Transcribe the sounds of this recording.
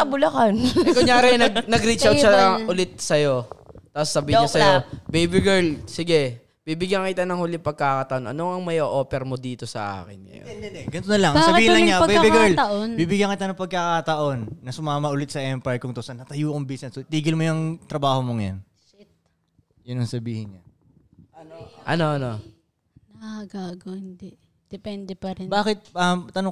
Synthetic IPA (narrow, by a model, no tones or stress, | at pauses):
ɐbʊlɐkankʊɲjaːɾɪnɐɡ̚nɐɡɾit͡ʃaw̪ʃaʔʊlɪt̪̚sɐjo̞t̪aposːɐbiːɪɲɲosɐjobejbɪɡɛɹlsɪɡɛ | bibɪɡjɐŋkɪt̪anɐŋhuːlɪŋpɐɡ̚kakɐt̪ɐʔonʔɐ̰noŋɐŋmɐjoʔoːpɛɾmod̪iːt̪osɐ̰ʔa̰ːkɪnŋɐ̰jo̰ɛnd̪ɛd̪ɛɡɐnt̪onɐlɐŋsɐbiːhɪnlɐŋɲaɐbejabɪɡɛɹlt̪ɐʔonbiːbɪɡjɐŋkɪt̪anɐŋpɐɡ̚kːakaːt̪ɐʔo̞nːɐsʊmaːmɐʔʊlɪt̪̚sɐʔɛmpɐjɹkʊŋt̪osɐnɐt̪ɐjuːkʊŋbisnɛsot̪iːɡɪlmojʊŋt̪ɾɐbaːhomoŋɐjo̰n | t͡ʃɪt̪̚ | jʊnɐŋsɐbiːhɪnɲa | ɐnoʔɐ̰no̞ʔɐno | nɐɡaːɡohɪnd̪ɛʔ | d̪̥ɛpɛnd̪ɛpɐɾnbaːkɪt̪̚ɐmt̪ːɐnoŋ